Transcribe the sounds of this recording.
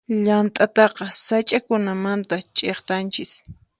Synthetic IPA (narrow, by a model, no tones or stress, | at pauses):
ʎant̪ʼat̪ɑqɑsajt͡ʃʼakʊnamant̪at͡ʃʼeχt̪ant͡ʃɪs